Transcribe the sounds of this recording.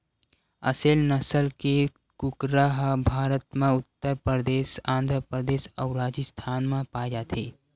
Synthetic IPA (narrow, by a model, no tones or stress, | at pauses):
ə̰seːlnəsəlke | kukɾaɦbʱaːɾət̪mẽʊt̪ːəɾpɾəəd̪eːsãːnd̪ʱɾəpɾəd̪eːsəʊɾaːd͡ʒist̪ʰaːnmẽpaːjd͡ʒaːt̪ʰeː